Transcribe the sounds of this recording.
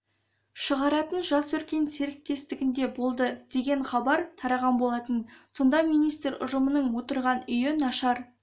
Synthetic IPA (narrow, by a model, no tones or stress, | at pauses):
ʃəʁɑɾɑt̪ənʒɑswɵɾkʲe̞nse̞ɾɪk̚t̪e̞st̪ɪɡʲɪnd̪e̞bo̞lˠd̪əd̪̥e̞ɡʲe̞ɴχɑbɑɾt̪ʰɑɾɑʁɑnbo̞lˠɑt̪ənso̞nd̪ɑmijnijst̪ɾʊ̰ʒəmənəɴwo̞t̪əɾʁɑnʏjɪnɑʃɑɾ